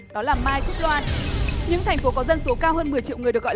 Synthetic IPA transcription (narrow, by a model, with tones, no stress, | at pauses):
ɗɔ˨˦laː˨˩maː˧jk̪ʰi˦˥k̚lwwaː˧nɲɨ̰˧˥ŋt̪ʰɛ˨˩jŋ̟fo˨˦kɔ˨˦zə˧nso˨˦kaː˧wɦəː˧nmɨ˨˩əjt͡ɕḭ˧˨wŋɨ˨˩ɗk̚ɔ̰˧˨